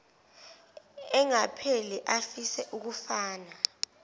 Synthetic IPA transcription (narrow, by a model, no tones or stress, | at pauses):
ɛŋapʰelɛʔafisɛʔuk̬ufaːna